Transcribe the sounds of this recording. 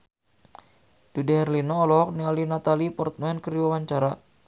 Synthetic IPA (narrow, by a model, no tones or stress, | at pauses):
d̥udɛhɛrlinɔːlɔk̚nialinat̪alipɔrt̪̚mɛnkəɾiwawaɲt͡ʃaɾa